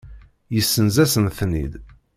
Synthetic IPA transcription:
jəsːənzæsənθnḭd̪

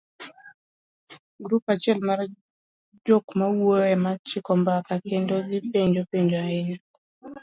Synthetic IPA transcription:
ɡɾupat͡ʃɪɛlmar | d͡ʒokmawoɛmat͡ʃɪkɔmbakakendoɡɪpeɲd͡ʒopeɲd͡ʒoaɪɲɔ

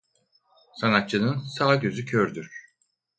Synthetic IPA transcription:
sanat̪t͡ʃɯnɯnsaːɟø̞zycʰøɾd̪yɾ̥

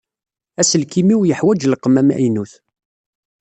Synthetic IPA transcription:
æsəlkimiwjəħwæd͡ʒlqəmæmæ̰inuθ

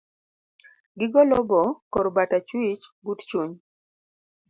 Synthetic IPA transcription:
ɡɪɡɔlɔbɔkɔɾbatat͡ʃwit͡ʃɡutt͡ʃuɲ

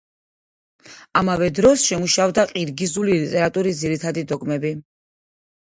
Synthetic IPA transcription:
amavɛd̪ɾɔsʃɛmuʃavd̪aqʼiɾɡizulilit̪ʼɛɾat̪ʼuɾisd̪ziɾit̪ʰad̪id̪ɔɡmɛbi

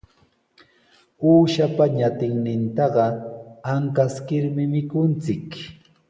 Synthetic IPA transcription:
uːʃapaɲat̪ɪŋnɪnt̪ɑɢɑaŋkaskɪɾmɪmɪkʊnt͡sɪk

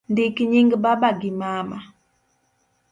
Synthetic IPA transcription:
ndikiɲiŋɡbabaɡimama

